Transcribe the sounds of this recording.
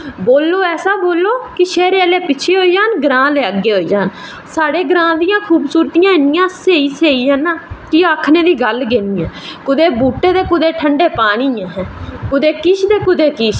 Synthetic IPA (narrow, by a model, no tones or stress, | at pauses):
boːlːoːɛːsaːboːlːoːkɪʃɛːɾeːəleːpɪt͡ʃʰeːɦoːiːd͡ʒaːnɡɾãːleːəɡːeːɦoːiːd͡ʒaːn | saːɽeːɡɾãːd̪ɪjãːkʰuːbsuːɾt̪ɪjãːɪnɪjãːseːiːseːiːãːnaːkɪaːkʰneːd̪iːɡəlɡeːniːjãːkʊd̪eːbuːʈːeːd̪eːkʊd̪eːʈʰəɳɖeːpaːɽ̃iːãːɦɛ̃ːkʊd̪eːkɪʃʰd̪eːkʊd̪eːkɪʃ